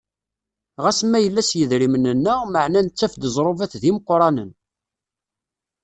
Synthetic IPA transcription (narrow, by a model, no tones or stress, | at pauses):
ʁæsəmːæjəlːæsjəðɾimənənːəʁməʕnænt͡sːæfd̪əzˤɾˤovæθðiməqːɾˤɑnən